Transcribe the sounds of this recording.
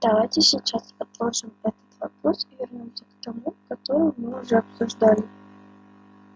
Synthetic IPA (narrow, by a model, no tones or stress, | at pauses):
t̪ɐvatʲɪsʲit͡ʃaspɐt̪lˠoʐɨmɛt̪ə̥t̪vɐpro̞svʲɪrnʲo̞msʲəkt̪ɐmukɐt̪o̞ɾɨjʊmɨʊʐɛɐpsʊʐd̪alʲɪ